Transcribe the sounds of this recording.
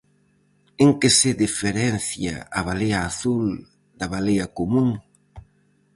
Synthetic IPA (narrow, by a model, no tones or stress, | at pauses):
eŋkɪsɪðifeɾɛnθja̰ɐβ̞alejɐːθul | d̪ɐβalejɐkomuŋ